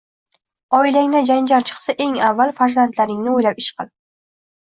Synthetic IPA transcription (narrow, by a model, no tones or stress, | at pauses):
ɒɪlaŋd̪ad͡ʒand͡ʒaɾt͡ʃʰɨ̥qsaʔe̞ŋavːalfaɾzant̪laɾɪŋnɪojlapɪʃqɨ̰lˠ